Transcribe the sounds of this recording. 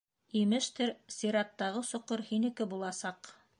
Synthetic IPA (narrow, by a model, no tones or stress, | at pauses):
imɘʃt̪ɘɾsiɾɑt̪ːɑʁɤsŏqɤɾhinɘ̆kɘbulˠɑsɑq